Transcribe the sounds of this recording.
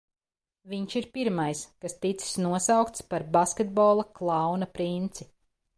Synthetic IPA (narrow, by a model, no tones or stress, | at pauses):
viɲʃiɾpiɾmajskast̪it̪si̥snuɔsawkt̪spaɾbaskʲed̪̚bɔlˠɐklˠɑwnɐpɾint̪si